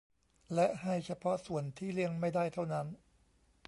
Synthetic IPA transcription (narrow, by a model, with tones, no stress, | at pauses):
lɛ˦˥ʔha˥˩jt͡ɕʰa˧pʰɔ˦˥ʔsu˨˩ənt̪ʰiː˥˩li˥˩əŋma˥˩jdaː˥˩jt̪ʰa˥˩wna˦˥n